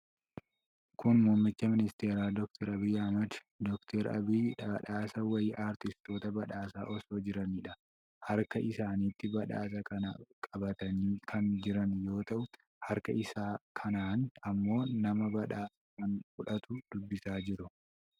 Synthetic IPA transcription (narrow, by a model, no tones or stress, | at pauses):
kʊnmuːmːɪt͡ʃːɐmɪnɪst̪eːɾaːd̪ɔkt̪ʰɛɾɐbɪjːɐɐmɐd̪ | d̪ɔkt̪ʰɛɾɐ̰biːᶑbɐᶑaːsɐwɐjɪʔaːɾt̪ɪst̪o̞ːt̪ɐbɐᶑaːsa̰ːʔɔsoːd͡ʒɪɾɐniːᶑɐ | hɐɾkɐʔɪsaːniːt̪ːɪbɐᶑaːs̬ɐkɐnɐ̰kʼɐbɐt̪ɐniːkʰɐnd͡ʒɪɾɐnjo̞ːt̪ɐʔʊ | hɐɾkɐʔɪsaːkʰɐnaːnɐmːo̞ːnɐmɐbɐᶑaːsɐkɐnfʊᶑɐt̪ʊd̪̥ʊbːɪsaːd͡ʒɪɾʊ